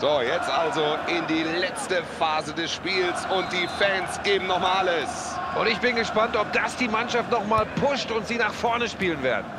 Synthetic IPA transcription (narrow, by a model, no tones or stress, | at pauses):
z̥ojɛt͡stʔalzoɪndiːlɛt͡stəfaːzədɛsʃpiːlsʊnt̚d̥iːfɛːnsɡ̥eːbm̩nɔχmaːlaləs | ʔʊntɪçb̥ɪnɡəʃpantɔp̚d̥asd̥iːmanʃaftnɔχmaːlpʰʊʃtʊntz̥iːnaːχfɔɐnəʃpiːlənvḛːɐdə